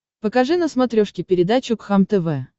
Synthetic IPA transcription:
pəkɐʐɨnəsmɐt̪ɾʲoʂkʲɪpʲɪɾʲɪd̪at͡ɕʊkxamt̪ɛvɛ

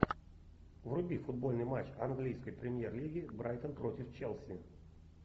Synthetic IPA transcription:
vrʊbʲifʊd̪̚bo̞lʲnɨjmat͡ɕɐnɡlʲijskəjpɾʲɪmʲjerlʲiɡʲɪbɾajt̪ənpɾotʲɪft͡ɕelˠsʲɪ

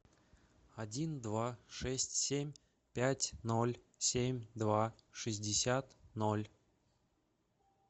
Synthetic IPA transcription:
adʲind̪vaʂɛsʲtʲsʲemʲ | pʲætʲnolʲ | sʲemʲd̪vaʂɨzʲdʲɪsʲat̪nolʲ

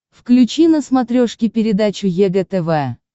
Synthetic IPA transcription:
fklʲʉt͡ɕinəsmat̪ɾʲoʂkʲɪpʲɪɾʲɪd̪at͡ɕʊjɛɡɛt̪ɛvɛ

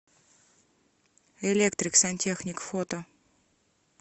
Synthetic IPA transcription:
elʲekt̪ɾʲɪksɐnʲtʲexnʲɪkfot̪ə

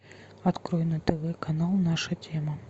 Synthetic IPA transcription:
at̪kɾɔjnɐt̪ɛvɛkanalˠnaʂɐt͡sʲɛmɐ

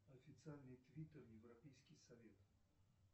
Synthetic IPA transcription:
ɐfʲɪt̪sɨalʲnɨjt̪vʲit̪ərjɪvrɐpʲejskʲɪjsɐvʲet̪

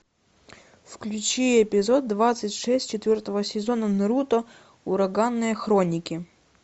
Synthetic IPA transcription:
fklʲʉt͡ɕiɛpʲɪzod̪̚ːvat̪sɨtʲʂɛsʲtʲt͡ɕɪt̪vʲɔrt̪əvəsʲɪzonənɨɾut̪ɔ | ʊɾɐɡanːɨjəxɾonʲɪkʲɪ

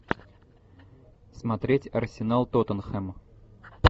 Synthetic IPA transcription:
smɐt̪ɾʲetʲɐrsʲɪnalˠt̪ot̪ənxɛm

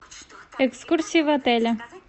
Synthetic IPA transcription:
ɛkskuɾsʲivɐt̪ɛlʲɐ

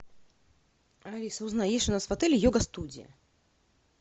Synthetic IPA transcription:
aɾʲisɐuznajeʃʲʊnasvat̪ɛlʲijɔɡɐst̪ud͡zʲḭjɐ̰

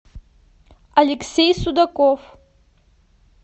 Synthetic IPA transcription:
aleksejsud̪akʼof

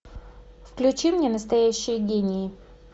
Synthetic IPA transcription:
fklʲʉt͡ɕimnʲenəst̪ɐjæɕːɪjəɡʲenʲɪː

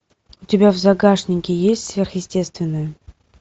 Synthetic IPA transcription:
ʊtʲɪbʲavzaɡaʂnʲɪŋʲkʲɪjesʲtʲsvʲerxjɪsʲtʲest̪vʲɪnːəjə

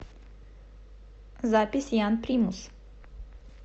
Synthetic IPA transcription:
zaːpʲisjaːnpɾiːmus

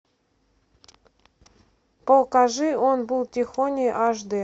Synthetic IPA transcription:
polˠkɑʒɨonbulˠtʲixonʲijʔɑʒd̪e

